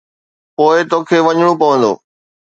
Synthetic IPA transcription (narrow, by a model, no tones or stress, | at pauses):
poːɪt̪oːkʰeːʋɐɲɽ̃opɐʋə̃nd̪o̰ː